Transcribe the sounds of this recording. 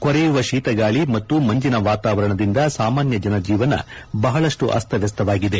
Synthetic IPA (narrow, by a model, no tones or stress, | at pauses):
kɔɾɛjuʋɐʃiːt̪ɐɡaːɭimɐt̪ːumɐɲd͡ʒinɐʋaːt̪aːʋɐɾɐɳɐd̪ind̪ɐsaːmaːnjɐd͡ʒɐnɐd͡ʒiːʋɐnɐ̰ | bɐɦɐɭɐʂʈuʔɐ̰st̪ʰɐʋjɐs̬t̪ʰɐʋaːɡid̪e̞